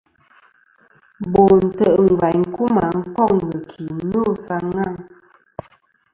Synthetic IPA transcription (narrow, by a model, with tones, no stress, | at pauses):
bo˨n̩˨tə˦˨ʔŋ̩˨ɡwa˨ɲŋ˦ku˦ma˨ŋ̩˦kɔ˦˨k̚ŋ̩˨ɡə˨kʰi˨˦nu˦˨sa˧ŋa˦˨ŋ